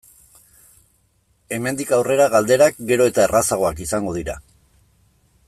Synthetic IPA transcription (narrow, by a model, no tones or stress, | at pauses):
e̞me̞nd̪ikawre̞ɾaɣald̪e̞ɾak̚ɡe̞ɾo̞e̞t̪aerasaɣo̞akisaŋɡo̞ðiɾa̰